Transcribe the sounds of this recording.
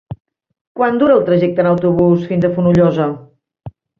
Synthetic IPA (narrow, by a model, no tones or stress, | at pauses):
kwand̪uɾəːlˠt̪ɾəʒɛk̚t̪ənəwt̪uβusfinzəfunuʎɔzə